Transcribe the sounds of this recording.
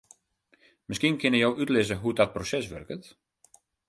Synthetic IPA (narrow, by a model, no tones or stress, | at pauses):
mɪskinkʰɪnəjowʔytlɪzəɦudɔt̚prosɛsʋø̰rkət